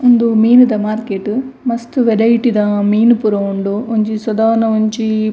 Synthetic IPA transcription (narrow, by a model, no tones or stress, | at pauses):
ond̪umiːnud̪ɐmaːɾkeʈːumɐst̪uʋeɾɐjiʈid̪ɐmiːnupuɾɐuɳɖuoɲt͡ʃisʋɐd̪aːnɐoɲt͡ʃi